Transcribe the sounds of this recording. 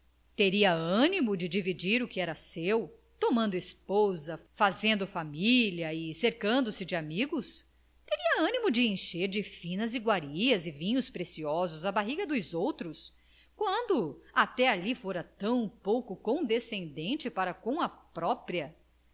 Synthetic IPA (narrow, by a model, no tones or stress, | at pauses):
t̪eɾiɐɐ̃nimʊd͡ʒɪd͡ʒivid͡ʒiɾʊkɪɛɾɐsew | t̪omɐ̃nd̪ʊispozɐfazẽnd̪ʊfamilɐɪseɾkɐ̃nd̪ʊsɪd͡ʒɪamiɡʊs | t̪eɾiɐɐ̃nimʊd͡ʒɪẽʃeɾd͡ʒɪfĩnɐziɡwaɾiɐzɪvĩɲʊspɾesiɔzʊzɐbaɦiɡɐd̪ʊjzowt̪ɾʊs | kwɐ̃nd̪ʊat̪ɛalifoɾɐt̪ɐ̃w̃powkʊkõd̪esẽnd̪ẽnt͡ʃɪpaɾɐkõw̃ɐpɾɔpɾiɐ